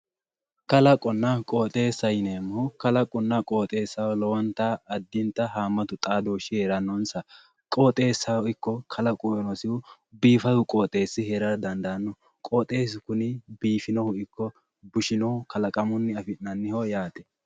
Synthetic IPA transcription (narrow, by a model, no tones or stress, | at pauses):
kɐlɐkʼɔnːɐkʼoːt̪ʼe̞ːsːɐjneːmːɔkɐlɐkʼɔnːɐkʼoːt̪ʼe̞ːsːɐwlɔwɐnt̪ːaːd̪ːɪnt̪ːɐɦaːmːɐt̪ʊt̪ʼaːd̪oːʃɪhɛɾɐnːɔnsɐ | kʼoːt̪ʼe̞ːsːɐwɔɪkːɔkʰɐlɐkʼuɔnɔsɪwʊ | biːfɐd̪ʊkʼoːt̪ʼe̞ːsːɪhɛɾɐɾd̪ɐnd̪ɐɐnːɔ | kʼɔːt̪ʼeːs̬ɪkʊnɪbiːfɪnɔhʊɪkːɔ | bʊʃɪnɔhʊkɐlɐkʼɐmʊnːɪɐfɪnɐnːɪhɔjaːt̪ɛ̥